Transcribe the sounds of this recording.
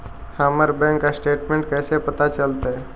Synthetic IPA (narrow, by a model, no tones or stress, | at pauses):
haːməɾbɛ̃ːŋkːasʈeːʈmẽɳʈ̚kɛːsepɐt̪at͡ʃəlt̪aɦɛ